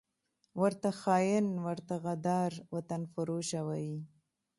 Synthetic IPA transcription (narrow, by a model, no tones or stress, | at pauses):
wəɾt̪axɑjɪnwəɾt̪aɣad̪ɑɾwat̪anfʊɾoʃawaji